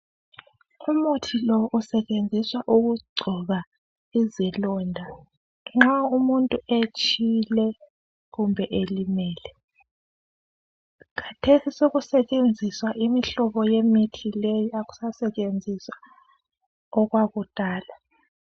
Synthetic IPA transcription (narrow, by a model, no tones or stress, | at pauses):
umutʰilɔʔusɛt͡ʃʼend͡zʱiswaʔuɣuɡ͡ǀʱɔɣa | izɛlɔndʱa | ŋ͡ǁaumuntʼuet͡ʃʰʼilɛ | ɣumbʱɛʔelimɛːlɛ | kʰatʰesisoɣusɛt͡ʃʼend͡zʱiswaʔimiɬɔβɔjemitʰilejɔaɣu̥sasɛt͡ʃʼend͡zʱiswa | ɔɣwaɣutʼaːla